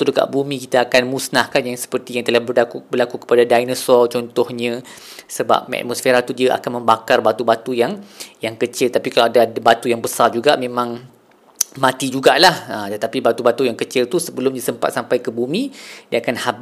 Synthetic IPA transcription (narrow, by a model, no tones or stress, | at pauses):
t̪udəka̰ʔbumĩkit̪aːkanmusnahkanjaŋsə̥pərt̪ijaŋt̪əlahbəakubərlakukə̥padadajnəsɔlt͡ʃɔnt̪ɔhɲə̃ | səba̰p̚mɛ̰t̪̚mɔsfeɾat̪udiaʔa̰kanmə̃mbakarbat̪ubat̪ujaŋjaŋkət͡ʃɪlt̪apikaloadabat̪ujaŋbəsard͡ʒuɡaʔmẽmãŋ | mãt̪id͡ʒuɡaʔlahət̪ət̪apibat̪ubat̪ujaŋkət͡ʃɪlt̪usəbəlʊmɲəsəmpa̰t̪̚sampajkəbumĩdiaakanhab